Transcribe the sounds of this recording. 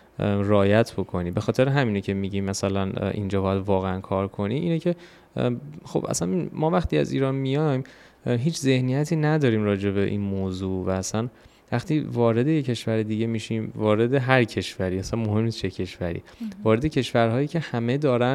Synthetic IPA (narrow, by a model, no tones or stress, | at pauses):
ɾeɒːjæt̪ʰbo̞kʰo̞niːbe̞xɒːt̪ʰe̞ɾeɦæmiːnecʰe̞miːɟimːæsælænʔḭnd͡ʒɒːbɒːjæd̪vɒːɣeænkʰɒːɾkʰo̞niːʔiːnecʰe̞ | xo̞̰b̥ʔæ̰sæninmɒːvæxt̪iːæ̰zḭːɾɒːnmijɒjm | ɦiːt͡ʃʰze̞hnijæt̪ʰiːnæd̪ɒːɾiːmɾɒːd͡ʒe̞βe̞ʔḭnmoːzuːvæːsæn | væχt̪ʰiːvɒːɾe̞d̪e̞jecʰe̞ʃvæɾed̪iːɟemiːʃiːmvɒːɾe̞d̪e̞ɦæɾcʰe̞ʃvæɾiæsænmo̞ɦe̞mniːst͡ʃecʰe̞ʃvæɾḭːvɒːɾe̞d̪e̞cʰe̞ʃvæɾɦɒːjiːcʰe̞hæme̞d̪ɒːɾæn